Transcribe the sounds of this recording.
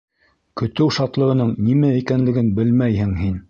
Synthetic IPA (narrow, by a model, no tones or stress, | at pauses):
kɵ̆t̪ɘwʃɑt̪lˠɤ̆ʁɤ̆nɤɴnimæikænlɘ̆ɡɘnbɘlmæjhɘŋɦin